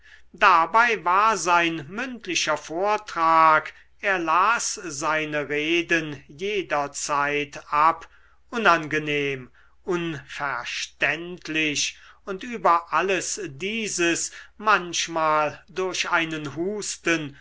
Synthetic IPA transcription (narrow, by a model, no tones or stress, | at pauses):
dabaɪvaːɐzaɪnmʏntlɪʃɐfoːɐtʁ̥aːk | ʔeːɐlaːszaɪnəʁeːdənjeːdɐt͡saɪtʔap | ʔʊnanɡəneːm | ʔʊnfɛɐʃtɛntʰlɪʃʊntʔyːbɐʔaləsdiːzəsmanʃmaːldʊɐɕʔaɪnənɦuːstən